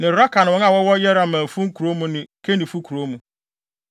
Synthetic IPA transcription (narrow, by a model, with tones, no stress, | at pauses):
nɪ̃˨ɾɔ˦kʰa˨ñ˨ɔ˦na˦˨wɔ˦wɔ˦jɛ˦ɾa˨mã˨fũ˦ŋ̩˦kʰu˨ɾo˦mũ˦nɪ̃˨kʰe˦nĩ˨fu˦kʰu˨ɾo˦mũ˨